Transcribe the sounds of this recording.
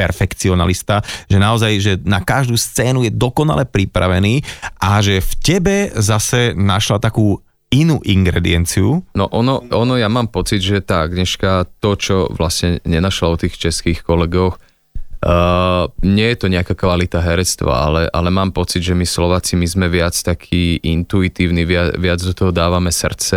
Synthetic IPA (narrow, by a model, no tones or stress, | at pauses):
pɛ̰ɾfɛkt͡siɔna̰list̪aʒɛnaɔzajʒɛnakaʒd̪uːst͡sɛːnujɛd̪ɔkɔna̰lɛpɾipɾa̰ʋɛniːʔaʒɛfcɛbɛzasɛnaʃlat̪akuː | inuːʔiŋɡɾɛ̰d̪ḭɛnt͡siunɔ̰ʔɔnɔɔnɔjamaːmpɔt͡sid̪ʒɛt̪aːaɡɲɛʃkat̪ɔt͡ʃɔʋlasɲɛɲɛnaʃlaɔt̪iːxt͡ʃɛskiːxkɔlɛɡɔx | ɲɪɛjɛt̪ɔɲɛakakʋalit̪aɦɛɾɛt͡st̪ʋa̰a̰lɛʔa̰lɛmaːmpɔt͡sid̪ʒɛmislɔʋaːt͡simizmɛʋɪat͡st̪akʰiːʔint̪uit̪iːʊniʋɪaʋɪad͡zd̪ɔt̪ɔɦɔd̪aːʋamɛsr̩t͡sɛ